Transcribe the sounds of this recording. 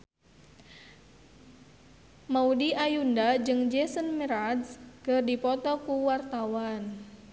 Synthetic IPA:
maudiʔajundad͡ʒɨŋd͡ʒɛsənməɾad̪skərdipɔt̪ɔkuwart̪awan

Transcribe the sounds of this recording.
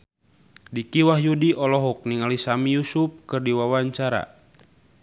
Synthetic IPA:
dikiwahjudiʔɔlɔɦɔk̚niŋalisamijusup̚kɨrdiwawaɲt͡ʃaɾa̰

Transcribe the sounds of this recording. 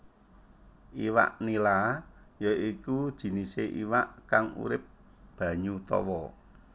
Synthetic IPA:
ʔiwa̰ʔnilajɔʔikud̥ʒ̥i̤niseʔḭwaʔkaŋṵɾɪp̚ | b̥ä̤ɲut̪ɔ̰wɔ

